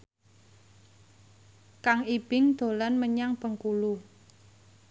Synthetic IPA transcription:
kaŋib̥ɪŋd̪̥o̤lanməɲaŋb̥ə̤ŋkulu

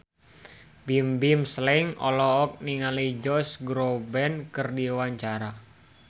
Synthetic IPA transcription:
bimbimslɛŋɔ̰lɔːk̚niŋalid͡ʒɔsɡɾobɛnkərdiwaɲt͡ʃaɾa

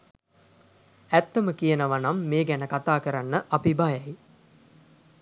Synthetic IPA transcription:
æt̪ːəməkijənəʋanamːeːɡænəkat̪aːkəɾanːəʔapibajaj

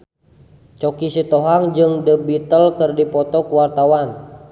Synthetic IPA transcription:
t͡ʃɔkisit̪oɦaŋd͡ʒɨŋdəbit̪əlkərdipɔt̪ɔkwart̪awan

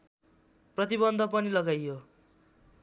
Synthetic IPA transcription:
prʌt̪ibʌnd̪ʱʌpʌnilʌɡajjo

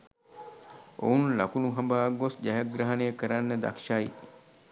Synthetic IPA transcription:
o̰unlɐkunuɦɐmbaːɡosd͡ʒɐɦɐɡɾɐɦɐnejəkəɾanːəd̪a̰kʃaj

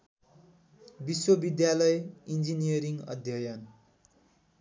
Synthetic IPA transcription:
biswʌbid̪jalʌjind͡zinijʌɾiŋʌ̰d̪ʱjʌjʌn

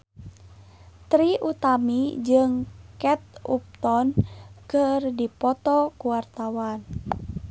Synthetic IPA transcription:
t̪ɾiʔut̪amid͡ʒɨŋkɛt̪̚up̚t̪ɔnkɨrdipɔt̪ɔkuwart̪awan

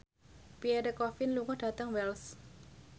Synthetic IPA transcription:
piɛdəkɔfɪnluŋɔhɖ̥a̤t̪əŋwɛls

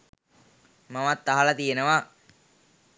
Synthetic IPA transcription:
maʋat̪ːaɦalat̪ijenəʋa

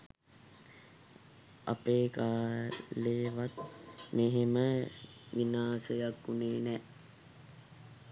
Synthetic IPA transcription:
a̰peːkaːleːʋat̪meɦemə | ʋinaːsəjakːuneːnɛː

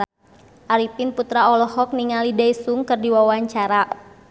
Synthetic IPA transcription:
ʔaɾipinput̪ɾaɔlɔhɔk̚niŋalidaisuŋkɨrdiwawaɲt͡ʃaɾa

